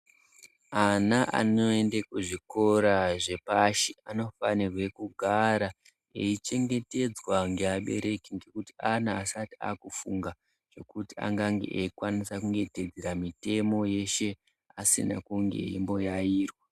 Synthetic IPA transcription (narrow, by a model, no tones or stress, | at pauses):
anaʔa̰no̞e̞ndekuʐiko̞ɾaʐe̞paʃiano̞fanirwe̞kuɡʱaɾa | ḛit͡ʃe̞ŋɡe̞te̞d͡zwaŋɡe̞aɓe̞̰ɾe̞kiŋɡe̞kutianaːsatia̰ːkufuŋɡa | ʐ̥o̞kutia̰ŋɡaŋɡḛʔeikwanisakuŋɡe̞ted͡zeɾamite̞mo̞je̞ʃe̞ | asḭna̰kuŋɡe̞̰imbo̞jaiːrwa